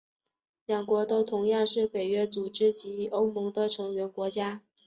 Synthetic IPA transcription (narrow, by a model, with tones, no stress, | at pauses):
ljɑ˨˩ŋkwɔ˧˥t̪o˥ʊt̪ʰʊ˧˥ŋjɑ˥˧ŋʂɻ̩˥˩pe˨˩ɪɥɛ˥t͡su˨˩ʈ͡ʂɻ̩˥t͡ɕi˧˥o˥ʊmɤ˧˥ŋd̪ə˧ʈ͡ʂʰɤ˧˥ŋɥɛ˧˥nkwɔ˧˥t͡ɕja˥